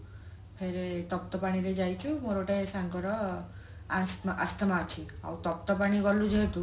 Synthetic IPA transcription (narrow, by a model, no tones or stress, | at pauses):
pʰeɾet̪ɔk̚t̪ɔpaɽ̃iɾed͡ʒajt͡ʃʰumoɾoʈeesaŋkɔɾɔ | asmʔa̰st̪ɔmaɔt͡ʃʰia̰wt̪ɔk̚t̪ɔpaɽ̃ibɔlud͡ʒeɦt̪u